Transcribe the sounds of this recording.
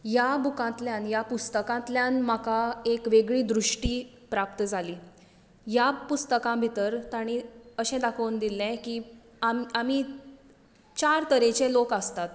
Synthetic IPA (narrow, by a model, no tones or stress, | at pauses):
jabukãt̪ljãnjapust̪əkãt̪ljãnmakaekʋeɡɭiːd̪ɾuʂʈiː | pɾap̚t̪əd͡zʱaliː | japust̪əkãbʱit̪əɾt̪aɽ̃iəɕɛ̃d̪akʰənd̪ilɛ̃kiː | amami | t͡ɕaɾt̪əɾet͡ɕẽlokəst̪at̪